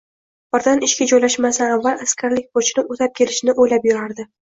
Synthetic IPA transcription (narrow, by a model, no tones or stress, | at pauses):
bɪɾd̪anɪʃkʲad͡ʒɒjlaʃmasaavːalˠaskʲʰaɾlɪk̚ʲpot͡ʃʰɪnɪot̪ʰap̚kʲʰe̞lɪʃnɪʔojlapjʊɾaɾd̪ɪ